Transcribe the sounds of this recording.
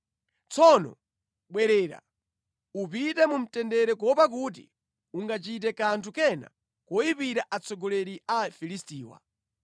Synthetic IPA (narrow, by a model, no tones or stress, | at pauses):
t͡sʰɔnɔ̰ | ɓwɛɾɛːɾa̰ | upitɛmum̩tɛndɛɾɛk̬ɔpak̬uːt̬ḭ | uŋɡat͡ʃit̬ɛkantʰukɛna̰ | kɔjipiɾaʔat͡sɔɡɔlɛɾiafilistiːwa̰